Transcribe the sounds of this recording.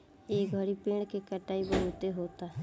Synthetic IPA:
eːɡʱəɾipẽːɽ̃kekəʈaːibəɾoːt̪eɦoːt̪aː

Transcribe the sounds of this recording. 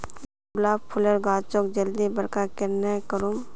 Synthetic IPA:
laːpʰʊləɾɡaːt͡ʃokd͡ʒəld̪ibəɾkakeɾnɛkəɾum

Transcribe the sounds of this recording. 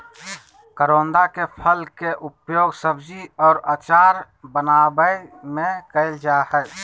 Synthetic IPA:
kəɾoːnd̪akepʰəlkeʔʊpjoːɡsəbd͡ʒiɔːɾaːt͡ʃaːɾ | bənaːbəimẽkəɪld͡ʒahɛ

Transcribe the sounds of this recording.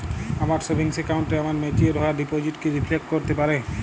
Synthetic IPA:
amaɾsobʱiŋsekawɳʈeamaɾmetieɾɔaɾɖipod͡ʑiʈkiɾifʰlek̚ʈkoɾt̪epaɾe

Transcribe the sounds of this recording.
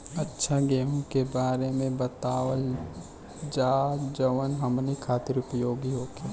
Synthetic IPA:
ɐtːʃʰaɡeːmõkebaːɾemẽbət̪aːʋəl | d͡ʒaːd͡ʒəʋənɦɐmnikʰaːt̪ɪɾʊpjoːɡiɦoːkeː

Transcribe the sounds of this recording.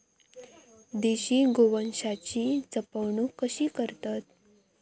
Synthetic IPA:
d̪eɕiːɡoʋənɕat͡ɕit͡səpəʋɳukəɕiːkəɾt̪at̪̚

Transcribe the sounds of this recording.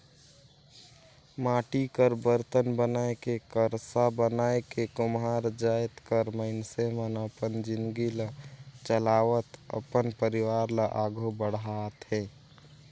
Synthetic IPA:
maːʈikəɾbəɾt̪ənbənaekekəɾsabənaekekʊmɦaɾd͡ʒajt̪kəɾməɪnsemənəpənd͡ʒɪnd̪ɡilət͡ʃəlaʋət̪ə̰pənpəɾiwaːɾləʔaːɡʱobəɽ̤ɦat̪ɦɛ̃ː

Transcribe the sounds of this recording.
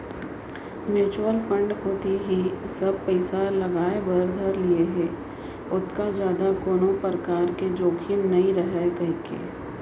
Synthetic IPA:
mjuːt͡ʃuɾəlfʰə̃ɳɖkoːt̪iɦisɐb̚pəɪsalɐɡaːebɐɾd̪ʱəɾlieɦɛː | ʊt̪kad͡ʒjaːd̪akoːnõpəɾəkaːɾked͡ʒoːkʰimnɐĩɾɐɦekɐɦikḛː

